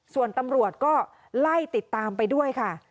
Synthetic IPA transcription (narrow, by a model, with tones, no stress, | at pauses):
su˨˩ənt̪a˧mɾu˨˩ət̪̚kɔː˥˩ | la˥˩jt̪i˨˩t̪ːaː˧mpa˧jdu˥˩əjkʰa˥˩